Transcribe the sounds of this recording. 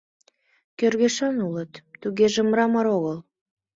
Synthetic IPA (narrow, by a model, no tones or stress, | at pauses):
kørɣeʃɑnulət̪ːuɣeʒĕmɾɑmɑɾoɣəl